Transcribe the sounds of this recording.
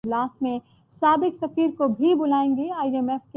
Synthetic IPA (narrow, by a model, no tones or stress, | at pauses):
laːsmẽ | saːbɪksɐfiːɾkobʱibʊlaːẽːŋɡeːaːiɛmɛfke